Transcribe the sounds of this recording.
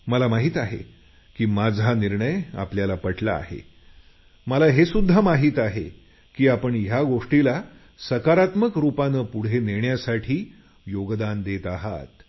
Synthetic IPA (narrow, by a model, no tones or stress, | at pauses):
məlamaɦiːt̪aɦḛ | kiːmad͡zʱaniɾɳəja̰pljalapəʈla̰ːhḛ | məlaɦesud̪ʱːamaɦiːt̪aɦe | kiːapəɳjaɡoʂʈila | səkaɾat̪məkɾupanəpuɽ̤eneɳjasaʈʰiː | joɡd̪and̪et̪aɦa̰t̪